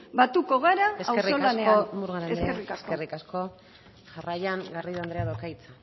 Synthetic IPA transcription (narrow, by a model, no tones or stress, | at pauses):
bat̪uko̞ɣ̞aɾaesawesrioalane̞onmuɾɣaɾeesskerikasskerikasko̞ | ʝarajaŋɡariðoand̪ɾeaðokajt͡sa